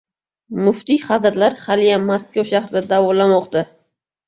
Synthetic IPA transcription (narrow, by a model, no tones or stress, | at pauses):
mʊft̪iχazɾlaɾχalijamaskʲawʃahɾɪd̪ad̪avɒlamɒqt̪a